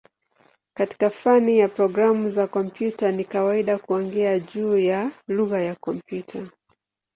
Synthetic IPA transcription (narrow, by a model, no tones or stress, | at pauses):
kati̥kafanijapɾɔɡɾamuzakɔmpjutanikawaiɗakuɔŋɡɛaʄuːjaluɣajakɔmpjutʰa